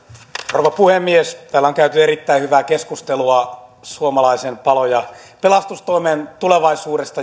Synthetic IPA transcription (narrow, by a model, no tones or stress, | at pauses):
rroʋɑpuhemːiest̪æːlːæoŋkæyt̪yeɾit̪ːæihyʋæːkeskust̪eluɑsuomɑlɑisempɑlojɑpelɑst̪ust̪oiment̪uleʋɑisuːɾest̪ɑ